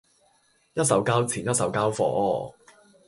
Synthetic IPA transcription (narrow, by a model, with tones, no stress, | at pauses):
jɐ˥t̚sɐ˨˥wkaː˥wt͡sʰiː˨˩njɐ˥t̚sɐ˨˥wkaː˥wfɔ̰ː˨˥ɔː˨˧